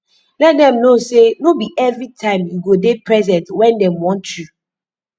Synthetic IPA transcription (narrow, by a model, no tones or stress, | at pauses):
lɛt̚dɛ̃mnosenobiʔɛvɹitʰãɪ̃mjuɡodepʰɹɛzɛ̃ntwɛ̃ndɛ̃mwɔ̃ntju